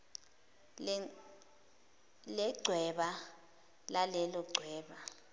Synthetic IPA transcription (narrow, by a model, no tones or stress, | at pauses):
lɛɡ͡ǀʱwɛɓa | lalɛlɔɡ͡ǀʱwɛːɓa